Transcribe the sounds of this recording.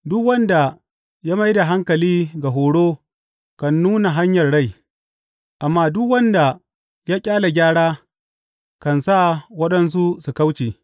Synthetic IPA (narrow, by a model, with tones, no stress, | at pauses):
dʊ˦kwɐ˦nda˨ | jaː˦ma˦jda˨ɦa˦ŋkɐ˨liː˦ɡa˨ɦoː˨ɽoː˦ | kɐ˨nːuː˦na˨ɦa˦ɲjɐ˨rɽa˦˨j | ʔa˨mːaː˦dʊ˦kwɐ˦nda˨ | jaː˦kʲʼaː˦la˨ɡʲaː˦ɽaː˦ | kɐ˨nsa˦˨wɐ˦ɗɐ˦ns̬u˦su˨ka˦wt͡ʃeː˨